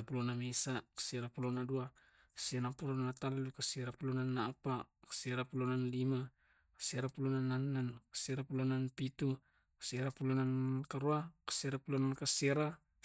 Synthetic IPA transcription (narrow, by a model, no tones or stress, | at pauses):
apulonamesakḁseɾapulonadua | kḁsenapulonnataloukaseɾapulonanːaːpakḁseɾapulonanlima | kḁseɾapulonanːanːankḁseɾapulonanpitu | kḁseɾapulonankaɾuakḁseɾapulonankaseɾa